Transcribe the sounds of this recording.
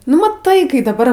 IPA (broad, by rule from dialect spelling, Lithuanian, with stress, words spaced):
nʊ mɐˈtɐɪ ˈkɐɪ dɐˈbɐr